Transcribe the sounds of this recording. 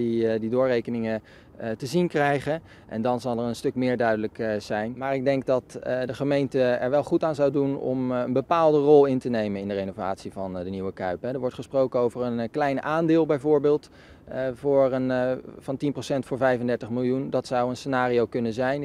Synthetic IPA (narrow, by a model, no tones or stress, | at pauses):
ididʊːɹrejkənɪŋə | təzinkrɛjχə | ʔɛ̰ndɑnzɑlˠɛɹənstɵkmɪːɹdœɥdələkz̥ɛjnmaːɹɪɡ̚dɛŋk̚dɑtdəχəmejntəɛɹʋɛlˠχutaːnzɑwdunɔ̰mənbəpaːlˠdərɔlˠɪntənejmənɪndərejnova̰ːtsivɑndəniwəkœɥpɦɛdəɹʋɔɹtχəsprowkənowvərənklɛjnaːndɪːlˠbɛjvʊːɹbɪːlˠt | vʊːɹənvɑntinprosɛntfʊːɹvɛjvəndɛɹtəχmɪlˠjundɑtsɑwənsənaːriowkɵnənzɛjn